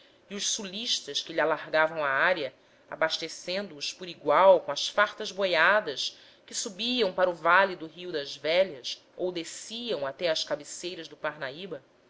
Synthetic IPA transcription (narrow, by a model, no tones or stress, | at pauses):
iʊʃsuliʃt̪ɐʃkɪlialaɾɡavɐ̃w̃aaɾjɐ | a̰baʃt̪esẽnd̪ʊːʃpʊɾiɡwawkõɐsfaɾt̪ɐzbojad̪ɐs | kɪsubiɐ̃w̃paɾuvalid̪ʊɦiud̪ɐzvɛʎɐs | owd̪esiɐ̃w̃at̪ɛɐskabɪsejɾɐzd̪ʊpaɾnaibɐ